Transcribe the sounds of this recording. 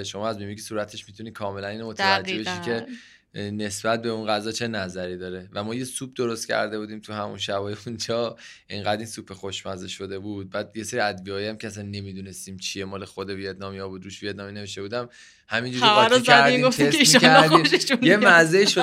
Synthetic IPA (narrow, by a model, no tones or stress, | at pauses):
ʃo̞mɒːæzbimicʰesuːɾæt̪ʰe̞ʃmit̪ʰuniːkʰɒːmelæniːnomot̪ʰævæd͡ʒebeʃikʰe̞ | ne̞sb̥æt̪̚be̞unɡæzɒːt͡ʃʰe̞næzæɾiːd̪ɒːɾe̞væmɒːje̞sub̚d̪oɾost̪cʲʰæ̰ɾd̪e̞buːd̪iːmt̪ʰuhæmṵnʃæbɒːjeund͡ʒɒːʔeŋɡæd̪insupʰːexoʃmæzeʃːo̞d̪e̞bud̪̚bæːd̪je̞seɾiæd̪viɒːjæmcʰeæsænːe̞mid̪unest̪iːmt͡ʃʰiemɒːlexod̪evijed̪nɒːmjɒbud̪ɾuːʃvied̪nɒːmine̞veʃt̪e̞buːd̪æm | hæmind͡ʒuːɾæɾɾʰæɾdiɡoft̪ieseimiʃæeɾd̪oiːmʃeʃunjemmæzeiʃo